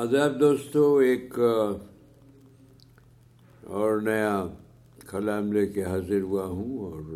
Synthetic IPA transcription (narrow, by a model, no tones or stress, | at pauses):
ɐzaːb̚d̪oːst̪õeːk | ɔːɾnɐja | kʰɐlaːmlekeɦaːzəɾɦʊaɦũɔːɾ